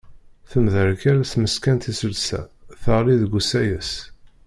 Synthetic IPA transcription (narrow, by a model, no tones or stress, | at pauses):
θəmðəɾkæɾæθməskænt̪isəlsæ̰θəʁɾiðɡʷusæjəs